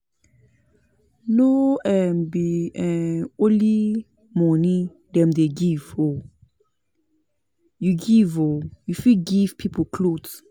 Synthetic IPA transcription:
noɛmbiɛoli | mɔnĩ | dɛ̃mdeɡiv̥o | juɡivojufiɡivpʰipʰokʰlods

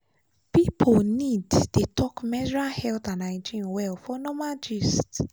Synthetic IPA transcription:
pipʰoniddetɔkmɛd͡ʒɹahɛlt̪ãnaɪ̃d͡ʒĩnwɛlfɔnɔmad͡ʒist

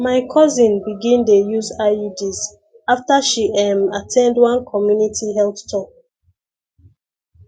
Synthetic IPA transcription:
maɪkʰɔzĩnbiɡĩndejuzaidiz | aftaʃiɛmatʰɛ̃ndwãnkʰɔmjunitʰiɦɛlθtʰɔk̚

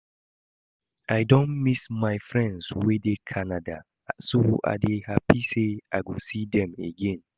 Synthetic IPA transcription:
ʔaɪdõnmismaɪfɹɛ̃ndswedekʰanada | sohuʔa̰dehapiseʔaɪɡosidɛ̃mḛɡɛ̃n

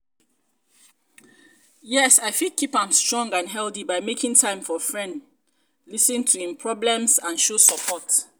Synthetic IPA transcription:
jɛsaɪfid̚kʰipãmstɹɔ̃ŋɡãnɦɛlθibaɪmekĩŋtʰãɪ̃mfɔfɹɛ̃nd | lisĩntʰuĩmpʰɹɔblɛ̃msãnʃosəpʰɔt

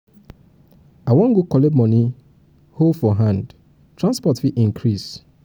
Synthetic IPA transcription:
awɔ̃ŋɡukɔlebmɔ̃ni | holfɔɦãnd | tɹãnspɔtfiʔĩŋkʰɾis

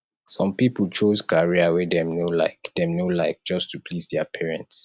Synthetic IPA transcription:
sɔ̃mpipəlt͡ʃoskaɹiawɛdɛ̃mnola̰ɪkdɛ̃mnolaɪk̚d͡ʒɔstʰupʰlisdɛəpʰɛɹɛ̃nts

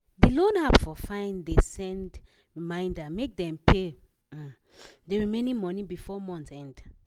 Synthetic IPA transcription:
delõnhabfɔfãɪ̃ndesɛ̃nd | ɹimãɪ̃ndamek̚d̪ɛ̃mpʰe | deɹimẽnĩnmɔnĩbifɔmɔ̃nθsɛ̃nd

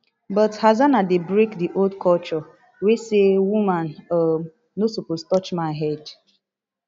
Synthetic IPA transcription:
bɔthazanadebɾekdiʔoldkʰɔlt͡ʃɔ | wesewumanoː | osopoztɔt͡ʃmaɪɦɛd

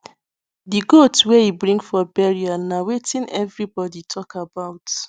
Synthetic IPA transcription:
diɡotswɛibɹĩŋfɔbɛɹianawetʰĩnɛvɹibɔditʰɔkabaʊt

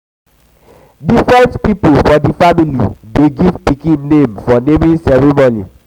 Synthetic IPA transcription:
difɹɛ̃ntpipolfɔdifamilḭdeɡivpikĩnːẽmfɔnemĩnsɛɹemɔnḭ

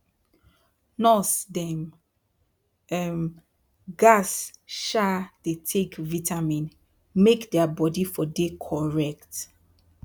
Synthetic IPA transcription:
nɔsdɛm | ɛm | ɡasʃad̥etʰekvitʰamĩn | mekdɛabɔdifɔdekʰɔɹɛkt

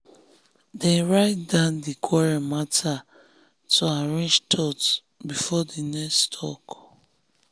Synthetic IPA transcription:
dɛ̃nɹaɪt̚dãndikʰwɔɹamatʰa | tʰuaɹẽnd͡ʒtʰɔt | bifɔdinɛstʰɔ̰k

